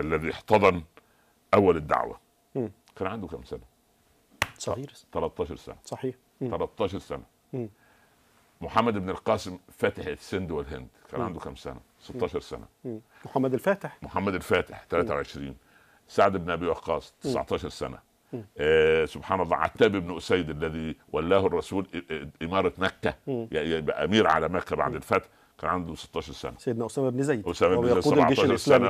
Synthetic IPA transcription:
ʔælːæðieħt̪ɑðˤɑn | ʔæwːælɪd̪ːa̰ʕwæ̰ | kæːnʕand̪ukæmsænæ | sˤɾt̪ælɑt̪ˤːɑːʃɑɾˤsæ̰næsˤɑħiːħ | t̪ɑlɑt̪ˤːɑːʃɑɾˤsæ̰næ | moħamːæd̪ɪbnɪlqɑːsɪmfæːt̪ɪħsːɪnd̪wɪlɦɪ̰nd̪kæ̰ːnʕand̪ukæmsæ̰næ | set̪ːɑːʃɑɾˤsæ̰næ̰ | mħamːæd̪ælfæːt̪ɪħmoħamːæd̪ælfæːt̪ɪħt̪ælæːt̪æwʕeʃɾḭːn | saʕd̪ɪbnʔæbijwɑqɑːsˤt̪e̥sʕt̪ˤɑːʃɑɾˤsæ̰næ̰ | sobħɑːnɑlˤːɑ̰ʕa̰t̪ːæːbʔebnʔʊsæjːd̪ʔælːæðiːwælːæːhʊrˤːɑsuːlʔɪmɑːɾˤɑt̪mækːæjjbæʔæ̰miːɾʕa̰læmækːæba̰ʕd̪ɪlfæt̪ħ | kæːnʕand̪use̥t̪ːɑːʃɑɾˤsæ̰næsæjed̪næʔosæːmæbnzæjʔosæːmæbʕt̪ːˤɑːʃɑɾˤsænæ

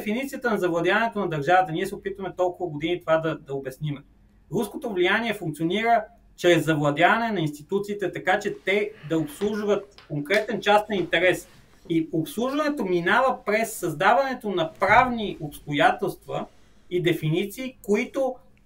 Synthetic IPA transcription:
ɛfinit̪sijət̪ənɐzɐvlˠɐd̪javɐnɛt̪onɐd̪ɐɾʒavət̪əniɛsɛopit̪vəmɛt̪ɔlˠkʊvɐɡod̪init̪ovad̪ɐd̪ɐobɛsnim | ɾuskot̪ovlijaniɛfũŋk̚t̪sioniɾə | t͡ʃɾɛzːɐvlˠɐd̪javɐnɛnɐinst̪it̪ut̪siːt̪ɛt̪ɐkat͡ʃɛt̪ɛd̪ɐopslˠuʒvət̪̚koŋkɾɛt̪ɛnt͡ʃast̪nɐint̪ɛɾɛs | iopslˠuʒvɐnɛt̪ominavəpɾɛsːɐzd̪avɐnɛt̪onɐpɾavniʔopst̪ojat̪ɛlˠst̪və | id̪ɛfinit̪siːkoit̪o

